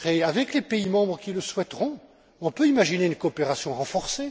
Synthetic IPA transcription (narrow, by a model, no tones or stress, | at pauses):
χeavɛklepeimɑ̃bʁəkʲiləswɛt̪ʁɔ̃ | ɔ̃pøimaʒineynkoːpeʁasjɔ̃ʁɑ̃fɔʁse